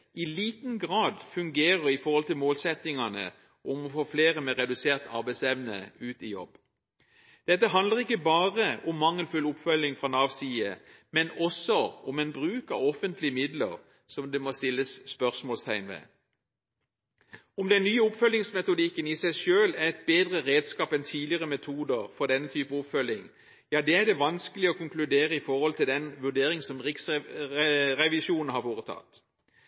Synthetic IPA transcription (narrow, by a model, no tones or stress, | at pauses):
ɪliːt̪nɡʁɑːd̪fʉŋɡeːʁəʁɪfɔʁhɔlt̪ɪlmoːlsɛt̪ɪŋɑnə̰ | ʔɔmɔfoːfleːʁəmɛʁɛd̪ʉseːʁt̪ʰɑ̰ʁbæɪsɛʋnə̰ʉːt̪ɪjɔ̰b | d̪̥ɛt̪ːəɦɑnd̪ləʁɪkːəbɑːʁəɔmːɑŋːəlfʉlʊpfœlɪŋfʁɑnɑʋsiːə | mɛnɔsɔɔmɛnbʁʉːkɑ̰ʋɔfənt̪lɪəmɪd̪lə̰ʁ | sɔmd̪ɛmost̪ɪlːəsːpœʁsmoːlst̪ʰæɪnʋɛ̰ː | ʊmd̪ɛnːyːəʊpfœlːɪŋsmɛt̪ʊd̪ɪkːənɪsæɪʃøːlæʁɛt̪̚beːd̪ʁəʁeːd̪skɑːpɛnt̪ʰiːd̪ɪəʁəmɛt̪ʰuːd̪əʁfɔʁd̪ɛnːət̪ʰyːpəʊpfœlːɪŋ | jɑːd̪ɛːæd̪ɛʋɑnskəlɪɔkʰʊŋklʉd̪eːʁəɪfɔʁhɔlt̪ʰɪld̪ɛnʋʉʁɖ̪eːʁɪŋsɔmʁɪksɛʁɛʋɪsuːnn̩hɑɾʋoːʁət̪ʰɑ̰t̪